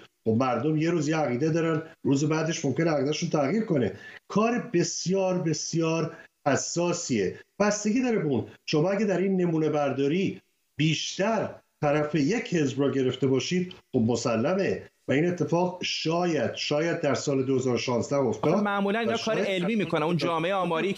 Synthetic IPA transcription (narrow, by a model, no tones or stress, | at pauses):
xobmæɾd̪o̞mje̞ɾuːzjeæɣiːd̪ed̪ɒːɾænɾuːzebæːd̪e̞ʃmo̞mkʲcʰeneæɣid̪æʃunt̪ʰæɣjiːɾko̞ne̞kʰɒːɾebe̞sjɒːɾbe̞sjɒːɾhæsːɒːsiːeb̥æst̪e̞ɡʲid̪ɒːɾebeunʃomɒːæɡæd̪æɾinːe̞muːne̞bæɾd̪ɒːɾiː | b̥iːʃt̪æɾt̪ʰæɾæfeje̞cʰhe̞zbɾɒːɟe̞ɾe̞ft̪e̞bɒːʃiːd̪̥̚χobmo̞sælːæme̞væiːne̞t̪ʰːe̞fɒːɣʃɒːjæd̪̥ʃɒːjæd̪̚ːæɾsɒːle̞d̪ohe̞zɒːɾoʃɒːnzd̪æho̞ft̪ɒːd̪mæmuːlæninɒʃkɒːɾeelmiːmiːkʰonæmund͡ʒɒːmeeeɒːmɒːɾi